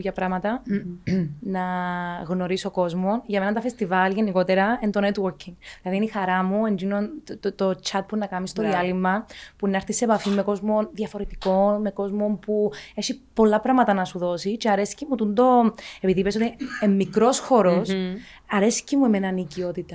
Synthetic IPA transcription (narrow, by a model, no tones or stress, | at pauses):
jɐpɾɐmɐt̪ɐ | nɐɣno̞ɾiso̞ko̞zmo̞nʝɐme̞nɐt̪ɐfest̪ivɐlʝe̞niko̞t̪eɾɐent̪onet̪woɾcʰiŋðilɐðinixɐɾɐmuend͡ʒinont̪ot͡ʃɐt̪̚punɐkɐmist̪o̞ðiɐlimːɐpunɐɾθisepɐfimːeko̞zmo̞nðjɐfo̞ɾet̪i̥ko̞nme̞ko̞zmo̞mpue̞çipo̞lːɐpɾɐmɐt̪ɐnɐsuðo̞sit͡ʃeɐɾesi̥cemut̪und̪o̞e̞piðipes̬o̞t̪iemːikɾo̞sxo̞ɾo̞sɐɾe̞si̥cemuemenɐnicio̞t̪it̪ɐ